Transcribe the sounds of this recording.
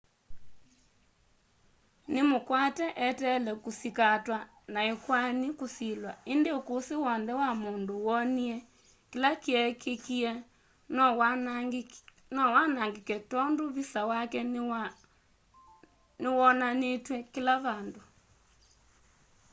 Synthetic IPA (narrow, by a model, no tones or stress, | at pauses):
nemokwatɛʔɛtɛlɛkosikatwa | naekwanikosilwaendeokosewɔnðɛwamondowɔniɛ | kelakiɛkekiɛ | nɔw | nɔwanaŋɡekɛtɔndoβisawakɛ | newɔnanetwɛkelaβando